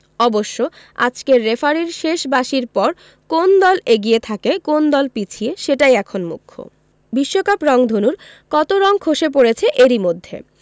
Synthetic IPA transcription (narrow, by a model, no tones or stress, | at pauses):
ɔboʃːo | a̰d͡ʑkeɾːefaɾiɾʃeʃbaʃiɾpɔɾ | kond̪ɔleɡiet̪ʰakekond̪ɔlpit͡ɕʰieʃeʈajɛkʰonmṵkʰːo̰ | biʃːokapɾɔŋd̪ʱonuɾ | kɔt̪oɾɔŋkʰoʃep̬oɾet͡ɕʰeʔeɾimod̪ʱːḛ